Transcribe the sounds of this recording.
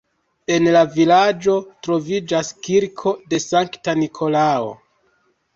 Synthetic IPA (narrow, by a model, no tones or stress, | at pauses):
e̞nlavilad͡ʒo̞tɾo̞vid͡ʒaskiɾkʰo̞de̞saŋktanikʰo̞lao̞̰